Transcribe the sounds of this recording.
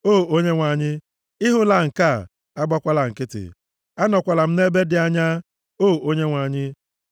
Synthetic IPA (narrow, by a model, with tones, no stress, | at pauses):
o˦˨o˦ɲe˦ŋʷa˨ɲɪ˦ | ɪ˦ɦʊ˦la˨ŋ̩˨ka˦˨ | a˦ɡ͡ba˦kʷa˦la˨ŋ̩˨kɪ˦tɪ̰˨ | a˦nɔ˨kʷa˨la˨m̩˦ne˦be˦dɪ˨a˦ɲa˦ | o˦˨o˦ɲe˦ŋʷa˨ɲɪ˦